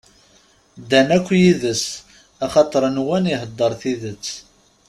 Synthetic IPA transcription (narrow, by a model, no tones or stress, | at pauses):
d̪ænækʷːjiðəs | ɑχɑt̪ˤəɾˤnwæniɦəd̪ˤːəɾˤθiðət͡sː